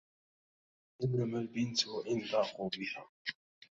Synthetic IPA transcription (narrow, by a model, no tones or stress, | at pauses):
ʔɪnːamælbɪnt̪ʔɪnd̪ɑːqubɪha